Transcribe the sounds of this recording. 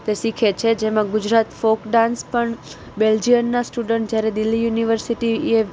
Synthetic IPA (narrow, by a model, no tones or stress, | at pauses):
t̪esikʰet͡ʃʰed͡ʒemãɡʊd͡ʒɾat̪fokɖãnspəɳ | beld͡ʒijənːasʈuɖəɳʈd͡ʒjaɾed̪ɪlːijuniʋəɾsiʈie